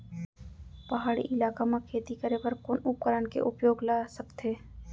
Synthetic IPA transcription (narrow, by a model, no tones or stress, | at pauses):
pɐɦaːɽḭʔɪlaːkamakʰeːt̪ikəɾepəɾkʊnʊp̚kəɾənkḛʔʊpjoːɡlaːsəkt̪ɦeː